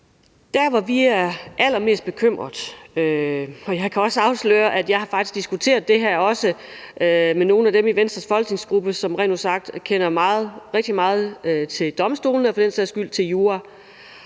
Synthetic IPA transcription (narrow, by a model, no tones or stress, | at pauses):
d̥æɐʋɑ̈ʋiæɐʔæl̰ɐme̝̰ːsd̥b̥e̝kʰøm̰ʁɐðˠøɒ̽jɑ̈ɪkʰæɒ̽səɑ̈ʊslø̰ːɐʔæd̥jɑ̈ɪhɑ̈fɑ̈ɡ̥isɡ̥d̥isɡ̥ut͡sʰe̝̰ːɐðˠd̥e̝ɦæɐɒ̽səʔømeno̝ːn̩æd̥emiʋensd̥ʁɐsfɒ̽lɡ̥ne̝ŋsɡ̥ʁub̥əsɒ̽mʁɛ̰ːnosɑ̈ɡ̥̚d̥kʰenɐmɑ̈ːð̩ˠʁeɡ̥̚d̥imɑ̈ːð̞̩ˠøt͡sʰe̝ld̥ɒ̽msd̥o̝̰ːln̩ɒfɒ̽d̥en̰seðˠsɡ̥yl̰t͡sʰe̝ljuːɑ